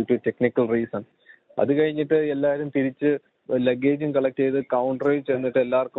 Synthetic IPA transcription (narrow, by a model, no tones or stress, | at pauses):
uʈːute̞knikːɐlriːsɐn | ɐ̰ðɨkɐɻiɲːiʈːɨe̞lːaːɾumt̪iɾit͡ɕːɨ | leɡeːd͡ʑumkɐɭɐk̚tejðɨkɐwɳɖɐret͡ɕenːiʈːɨe̞lːaːrkːu